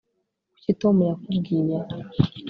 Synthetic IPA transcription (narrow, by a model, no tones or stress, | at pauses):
ucitomuɾakubɡiːɲa